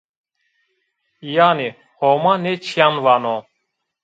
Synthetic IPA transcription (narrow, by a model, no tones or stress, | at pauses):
ijaːni | homanet͡ʃʰijanʋano